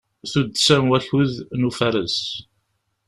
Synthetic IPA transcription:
θud̪sæmwæçuðnufæɾəs

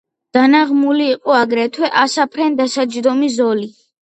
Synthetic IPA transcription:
d̪̥anaʁmuliːqʼɔaɡɾɛt̪ʰwɛʔasapʰɾɛnd̪asad͡ʒd̪ɔmizɔli

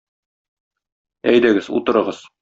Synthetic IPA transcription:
æjd̪æɡɘzṵt̪ɤ̆ɾɤ̆ʁɤz̥

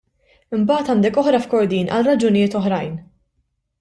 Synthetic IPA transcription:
ɪmbɐːt̪ɐnd̪ɛkɔħɾɐfkɔɾd̪iːnʔɐ̰lrɐd͡ʒʊnɪjɪːt̪ɔħɾɐjn

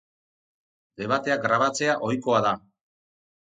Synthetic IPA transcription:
d̪e̞βat̪e̞aɡɾaβ̞at͡se̞aʔo̞jko̞aða

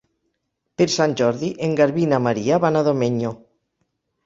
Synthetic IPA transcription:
peɾsanʲd͡ʒɔɾðiʔeŋɡaɾβinamaɾiaβanaðomeɲo

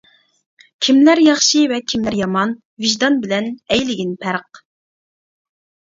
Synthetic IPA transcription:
kʲʰimlæɾjɑχʃivɛkʲʰimlæɾjɑmɑn | viʒd̪ɑnbɪlɛnɛjlɪɡʲinpʰæɾq̚

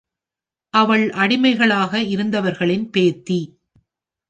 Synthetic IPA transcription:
ʔɐʋɐɭʔɐɽɪmɐɪɣɐɭaːɣɐɪɾɯnd̪ɐʋɐɾɣɐɭɪnpeːɾt̪ːi

